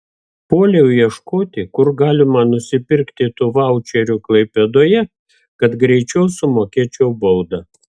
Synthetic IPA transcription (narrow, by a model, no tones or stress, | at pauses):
poːlʲɛʊjɛʃkoːt̪ʲɪkʊɾɡɑːlʲɪmɐnʊsʲɪpʲɪɾkt̪ʲɪt̪ʊʋɑˑʊt͡ʃʲɛɾʲuklˠɐɪpʲɛd̪oːjɛ | kɐt̪ɡɾʲɛɪt͡ʃʲɛʊsʊmoːkʲeːt͡ʃʲɛʊbɐʊd̪ɐ